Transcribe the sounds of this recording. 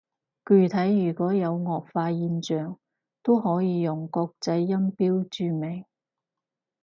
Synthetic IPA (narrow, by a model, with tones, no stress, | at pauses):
kyː˨˩t̪ʰɐ˨˥jjyː˨˩kɔː˨˥jɐ˨˧wŋɔː˨k̚faː˧jiː˧nt͡ʃœː˨˩ŋ | t̪o˥wɦɔː˨˥jiː˨˧jʊ˨˩ŋkɔː˧k̚t͡sɐ˨˥jːɐ˥mpiː˥wt͡ʃyː˨˧me˨˩ŋ